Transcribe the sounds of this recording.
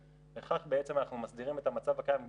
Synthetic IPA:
beχaχbee̞t͡se̞manaχnumasd̪iʁime̞t̪amat͡savakajam

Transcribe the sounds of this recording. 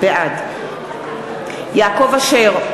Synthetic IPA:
eʔad | jaːko̞vaʃeʁ

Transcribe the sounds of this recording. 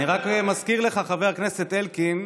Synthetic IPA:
iʁakmaskiʁle̞χaχaveʁkne̞se̞t̪elkim

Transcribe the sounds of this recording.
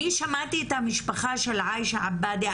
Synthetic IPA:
iʃamat̪it̪amɪʃbaxaːʃelʕaːʔjʃaʕabːaːd̪i

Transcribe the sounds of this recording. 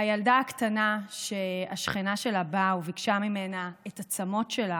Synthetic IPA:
ajaldaaktanaʃe̞aʃχinaʃe̞labauvikʃamimenaetat͡samo̞tʃe̞la

